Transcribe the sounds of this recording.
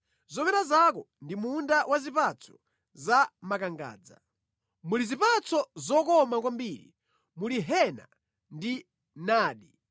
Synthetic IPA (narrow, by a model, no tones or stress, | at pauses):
zɔmɛɾazak̬ɔ | ndimundawʔazipat͡sʰɔ̥ | zamakaŋɡa̰ːd͡za̰ | mulizipat͡sɔzɔkɔmak̬wambiːɾḭ | muliɦɛna̰ | ndi | naːɗi